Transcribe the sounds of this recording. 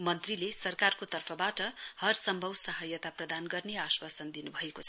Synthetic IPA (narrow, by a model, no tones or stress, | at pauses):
mʌnt̪rilesʌrkarkot̪ʌrpʰʌbaʈʌhʌrsʌmbʱʌwsʌɦʌjʌt̪aprʌd̪anɡʌrneaswasʌnd̪inubʱʌekot͡sʰ